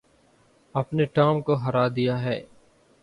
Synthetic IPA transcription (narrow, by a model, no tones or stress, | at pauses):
ɐpneʈaːmkoɦɐɾaːd̪ijaɦɛː